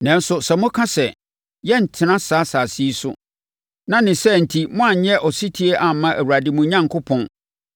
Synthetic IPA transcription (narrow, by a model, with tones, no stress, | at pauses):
nɛ̃˦n̩sʊ˨sɛ˨mʊ̃˦kʰã˦sɛ˨ | jɛ˦n̩˨tʰɪ˨˦nã˦saː˨˦saː˨si˦sʊ̰˦ | nã˦nɪ̃˨sɛ˦n̩˨tʰi˨mʊ̃˦a˨ɲ˨ɲɛ˦ʔɔ˨si˦tʰi˦e˦ʔa˨m̩˨mːã˦ʔæ˨wu˨ɾa˨dɪ˨mʊ̃˨ɲã˦ŋkʰʊ˦pʰɔ̃˦n